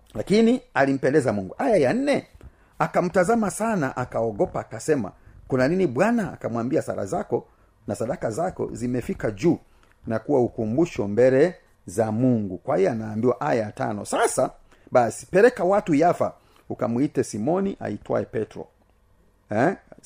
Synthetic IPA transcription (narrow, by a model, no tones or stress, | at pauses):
lakinialim̩pɛndɛzamuŋɡuʔajajan̩nɛ | akam̩tazamasanaʔakaɔɡɔpaːkasɛma̰kunaniniɓwana̰ːkamwambiasa̰ɾa̰zakɔ | nasaɗakazakɔ̰zimɛfikad͡ʒuː | nakuwaukumbuʃɔmbɛlɛ | zamuŋɡukwaijɛanaːmbiwaʔajajata̰nɔ̰sasa | ɓasi̥pɛɾɛkawatujafa̰ | ukamwitɛsimɔniʔa̰itwa̰ɛpɛtɾɔ̰ | ɛ